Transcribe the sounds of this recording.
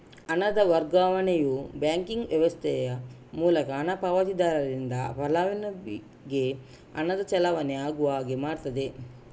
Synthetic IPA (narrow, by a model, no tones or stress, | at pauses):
ɐnɐd̪ɐʋɐɾɡaːʋɐnejubjaːŋkiŋɡʋjɛʋɐst̪ʰɛjɐ | muːlɐkɐːnɐpɐʋɐt̪id̪aːlɐlind̪ɐpɐlaːʋinɐi | ɡe | ɐ̰nɐd̪ɐt͡ʃɛlɐʋɐneaːɡuʋaːɡemaːɾt̪ɐd̪e